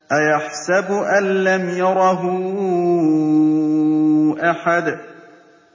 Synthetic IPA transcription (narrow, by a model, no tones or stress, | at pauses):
ʔajaħsabʔanlamjɑɾˤɑɦʊ | ʔaħad̪